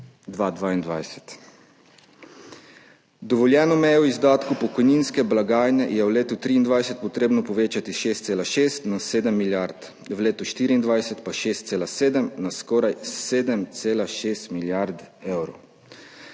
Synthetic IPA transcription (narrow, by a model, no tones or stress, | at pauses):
d̪ʋaːd̪ʋaːind̪ʋajsɛ̥t̪ | d̪ɔʋɔljɛːnɔmɛjɛwizd̪aːt̪kupɔkɔjninskɛblaɡaːjnɛjɛwleːt̪ut̪ɾiːnd̪ʋajsɛt̪̚pɔt̪ɾeːbnɔpɔʋeːt͡ʃat̪iʃeːst̪seːlaʃeːst̪naseːd̪ɛmːiljaɾt̪ | wleːt̪uʃt̪iːɾiːnd̪ʋajsɛt̪paʃeːst̪seːlaseːd̪əmnaskɔːɾajseːd̪ɛmt̪seːlaʃeːst̪miljaɾd̪ɛwɾo̰